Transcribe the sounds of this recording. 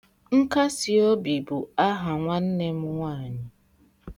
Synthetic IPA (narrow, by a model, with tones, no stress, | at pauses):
ŋ̩˦ka˦si˨o˦bi˨bu˨a˦ɦa˨ŋʷa˦n̩˦ne˦m̩˦ŋʷaː˦˨ɲɪ˦